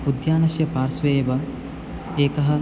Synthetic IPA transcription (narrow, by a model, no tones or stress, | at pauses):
pud̪jaːnɐsjɐpaːɾsʋeːjʋɐ | eːkɐɦə